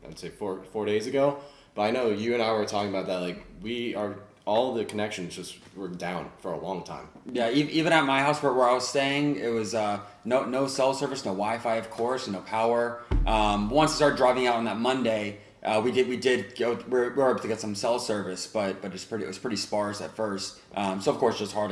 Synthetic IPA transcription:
ɨ̰tseɪfɔɹfɔɹɾeɪzɨɡoʊ | b̥ʌɾaɪnoʊjɨɨ̃ñaɪwə˞tʰɔkɪ̃ŋəbaʊt̪̚ðɨt̚laɪkwiə˞ | ɔlˠðɨkʰənɛkʃɨ̃nzd͡ʒʌst̚ | ɜ˞dãʊ̃nfə˞ə̰lɔ̃ŋtʰã̰ɪ̃mjæivivɨ̃ñət̚maɪhaʊswə˞t̚wəɹaɪwʌ̥steɪɪ̃ŋɪ̰t̚wʌzʌ | noʊnoʊsɛlˠsɜ˞vɨsnoʊwaɪfaɪʌv̥kʰɔɹsnoʊpʰaʊə˞ʔʌ̃mwʌ̃nsistɑɹdɹaɪvɪ̃ŋaʊɾn̩ðət̚mʌ̃ndeɪ | ʔʌwidɨd̚widɪd̚ɡ̥oʊwɪɹwɪɹeɪbl̩ˠtʰɨɡɛtsʌ̃msɛlˠsɜ˞vɨsb̥ʌt̚b̥ʌɾɨspʰɹ̥ɪɾɨ̰ʔ̚wʌz̥pʰɹ̥ɪɾispɑɹsɨ̰tfɜ˞st̚ | ʔʌ̃msoʊʌv̥kʰɔɹsʒ̥ʌst̚hɑɹdˡ

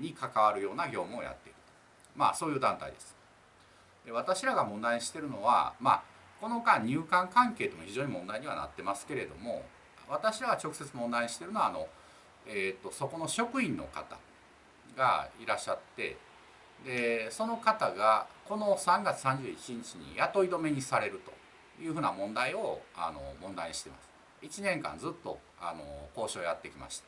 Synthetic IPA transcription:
ɲ̟ikakaβaɾɯ̟jo̞ːnaɡʲo̞ːmɯo̰ja̰t̪ːe̞ikɯ̟̥t̪o̥ | ma̰so̞ːjɯːd̪ãnt̪a̰ḭd̪e̞sɨ̥ | d̪̥e̞β̞at̪aɕiɾaɡamõnd̪aiɲiɕi̥t̪e̞ɾɯ̟no̞β̞a̰ma̰ | ko̞no̞kaɲ̟ɨːkãŋkãŋke̞ːt̪o̞mo̞çʲiʑo̞ːɲ̟imõ̞nd̪aiɲ̟iβa̰na̰t̪ːe̞masɨ̥ke̞ɾe̞d̪o̞mo̞̰ | β̞at̪aɕiɾaɡat͡ɕo̞kɯ̟̥se̞t͡sɨmõ̞nd̪aiɲiɕi̥t̪e̞ɾɯ̟no̞ano̞̰ | eːt̪ːo̞so̞ko̞no̞ɕo̞kɯ̟ĩnːo̞̰ka̰t̪a̰ | ɡa̰iɾaɕːat̪ːe̞̰ | d̪e̞so̞no̞kat̪aɡako̞no̞sãŋɡat͡sɨ̥sãɲ̟d͡ʑɨːit͡ɕiɲ̟it͡ɕiɲ̟ḭjat̪o̞id̪o̞me̞ɲ̟isaɾe̞ɾɯ̟t̪o̞̰ | jɯ̟ːɸɯ̟ːnamõ̞nd̪aio̞a̰no̞̰mõ̞nd̪aiɲiɕi̥t̪e̞ma̰sɨ̥ | it͡ɕinẽ̞ŋkã̰nd͡zɨt̪ːo̞ | a̰no̞̰ko̞ːɕo̞ːjat̪ːe̞kʲima̰ɕi̥t̪ḁ

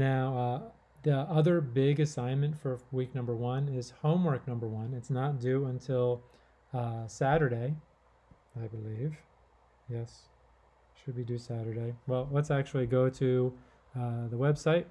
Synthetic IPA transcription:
naʊʌ | ðiʌðə˞bɪɡɨsãɪ̃nmɨ̃ntfə˞wik̚nʌ̃mbə˞wʌ̃nɪz̥hõʊ̃mwɜ˞k̚nʌ̃mbə˞wʌ̃nɨtsnət̚d̥ʉə̃ntʰɪlˠ | sæɾə˞ɾeɪ | aɪbəliv̥ | jɛs | ʃɨd̚bidɨsæɾə˞ɾeɪwɛlˠlətsæk̚t͡ʃul̩ˠiɡoʊɾɨ | ðəwɛb̥saɪt̚

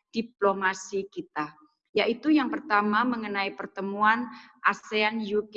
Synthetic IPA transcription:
d̥iplomasikit̪a | jaʔit̪ujaŋpərt̪amaməŋənaipərt̪əmuan | ʔaseanjuk

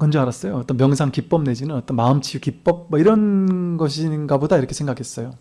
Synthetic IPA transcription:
kʌnd͡ʑʌaɾas͈ʌjoʌt͈ʌnmjʌŋsʰaŋkip͈ʌmne̞d͡ʑinɯnʌt͈ʌnmaɯmt͡ɕʰiukip͈ʌp̚mʌiɾʌnɡʌɕʰinɡabodaiɾʌkʰe̞sʰeŋɡakʰe̞s͈ʌjo

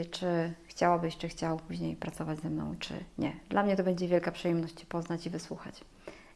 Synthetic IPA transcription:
t͡ʂɘxt͡ɕawabɘɕt͡ʂɨxt͡ɕawpuʑɲejpɾat̪sɔvad͡ʑzɛmnɔ̰̃w̃t͡ʂɘ̰ɲɛ̰d̪lamɲɛt̪ɔbɛɲd͡ʑɛvʲjɛlkapʂɨjɛmnɔɕt͡ɕpɔznat͡ɕivɘswuxa̰t͡ɕ

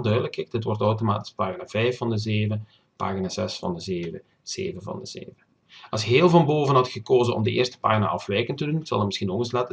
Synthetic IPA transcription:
lˠdœɥdələkɛk̚dətʋɔrtɔwtoma̰ːtɪ̥spaːɣinaːvɛjfːɑndəzeːvə | pa̰ːɣinaːz̥ɛsfɑ̰ndəzeːvə | z̥ḛːvəvɑ̰ndəz̥ḛːvə | ɑlsɦeːlˠvɑnboːvənɦɑtxəkoːzənɔ̰mdəʔɪ̰ːrstə̥pa̰ːɣina̰ːʔɑfʋɛjkəntəduntsɑ̰lˠətmɪsxinoɣənslaːtə

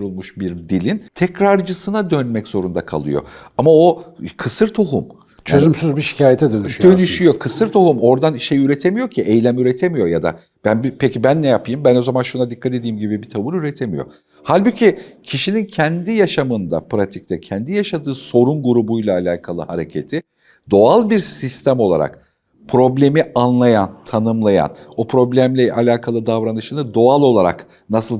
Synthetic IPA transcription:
ɾulˠmuʃbiɾd̪ilʲint̪ʰɛcɾaɾd͡ʒɯsɯnad̪ø̞nmɛcz̥o̞ɾund̪akʰa̰lˠɯ̰jo̞̰amaokʰɯsɯɾt̪ʰoɦum | t͡ʃʰøzymsyzbiʃi̥cʰaːjet̪ʰɛd̪ønyʃd̪ø̞nyʃyjo̞kʰɯsɯɾt̪ʰo̞ɦumo̞ɾd̪anʃejyɾet̪ʰe̞mijocʰiʔejlʲæmyɾet̪ʰe̞mijo̞jad̪a̰ | b̥ænbipʰecibænːɛjapʰɯjɯmbæno̞zamanʃunad̪ikʰːat̪ed̪iːmɟibibit̪ʰavuɾyɾet̪ʰe̞mijo̰ | halʲbucʰicʰiʃinincʰɛnd̪ijaʃamɯnd̪a̰pɾat̪ʰic̚t̪ʰɛcʰɛnd̪ijaʃad̪ɯːso̞ɾunɡuɾubujlˠaːlʲaːkʰalˠɯhaɾe̞cʰe̞t̪ʰɪ | d̪o̞alˠbiɾsist̪ʰæmo̞lˠa̰ɾa̰k | pʰɾo̞blʲe̞mianlˠajant̪ʰanɯmlˠaja̰nopʰɾo̞blʲæmlʲɛʔalʲaːkʰalˠɯd̪avɾanɯʃɯnɯd̪o̞alˠo̞lˠaɾa̰k | nasɯlˠ

